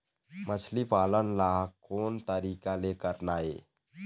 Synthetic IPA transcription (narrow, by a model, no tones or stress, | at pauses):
mət͡ʃʰlipaːlənlaːɦkoːnt̪əɾiːkalekəɾnaːeː